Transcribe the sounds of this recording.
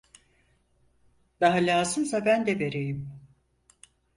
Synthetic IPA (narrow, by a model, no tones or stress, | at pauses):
d̪aɦalʲaːzɯnsabænd̪ɛve̞ɾejim